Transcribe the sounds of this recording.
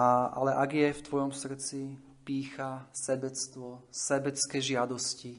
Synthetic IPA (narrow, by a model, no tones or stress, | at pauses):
aʔa̰lɛʔaɡjɛft̪ʋɔjɔmsr̩t͡si | piːxasɛbɛt͡st̪ʋɔsɛbɛt͡skɛːʒɪad̪ɔsci